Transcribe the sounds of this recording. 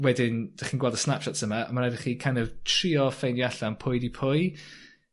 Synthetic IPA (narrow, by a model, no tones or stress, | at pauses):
wɛdɪnd̥aχiːnɡwɛlˠdə̥snapʃɔtsəma̰ːmaɾadəχikʰajndɔvtʰriːɔfejnjaɬanpʰʊjdipʰʊj